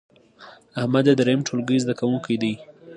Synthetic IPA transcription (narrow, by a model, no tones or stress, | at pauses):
ahmad̪ed̪ɾamʈʰolɡəjzd̪akawuŋkʰijd̪ij